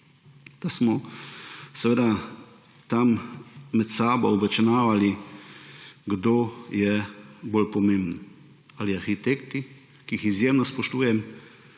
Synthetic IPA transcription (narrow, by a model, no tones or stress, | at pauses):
d̪̥asmɔ | sɛʋeːd̪a | t̪amːɛt̪saːbɔɔbɛt͡ʃɛnaːʋali | ɡd̪oːjɛbolpɔmembn | aliaɾxit̪ekt̪i | kiixizjeːmnɔspɔʃt̪uːjɛm